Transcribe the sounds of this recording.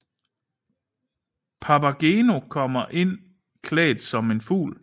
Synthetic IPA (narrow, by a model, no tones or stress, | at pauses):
pʰɑpæɡ̥eːno̝kʰɒ̽m̰ɐʔe̝n̰ | kʰlɛ̰ːd̥sɒ̽me̝nfṵːl